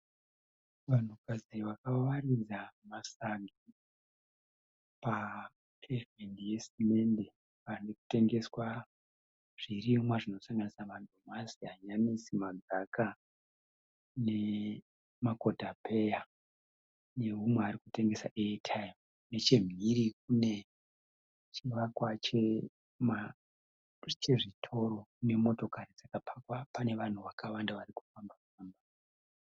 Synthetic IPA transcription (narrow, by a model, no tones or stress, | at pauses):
ʋan̤ukad͡ziʋakawarid͡zamasaŋɡi | pa | pʰevmendije̞simende̞ | ariku̥te̞ŋɡe̞swa | ʐ̥irimwaʐino̞saŋɡanisamadʱo̞masiaɲanisimad͡zaka | ne̞ | mako̞dʱapʰe̞ja | ne̞ɦumweaɾikute̞ŋɡe̞sa̰ʔetʰajom | ne̞t͡ʃe̞m̤ʱiɾik̚une̞ | t͡ʃiʋakwat͡ʃe | ma | t͡ʃe̞ʐitʰo̞ɾo̞kune̞mo̞to̞kaɾid͡zakapʰakwapane̞ʋan̤uʋakawandaʋaɾiku̥fambakufaːmba